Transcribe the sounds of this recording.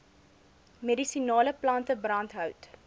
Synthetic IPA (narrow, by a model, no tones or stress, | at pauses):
medisinɑːləplɐntəbrɐntɦœwt